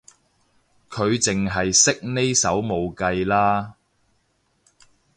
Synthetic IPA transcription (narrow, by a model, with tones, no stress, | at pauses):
kʰɵ˨˧ɥt͡sɪ˨ŋɦɐ˨jsɪ˥k̚ne˥jsɐ˨˥wmo˨˧wkɐ˧jlaː˥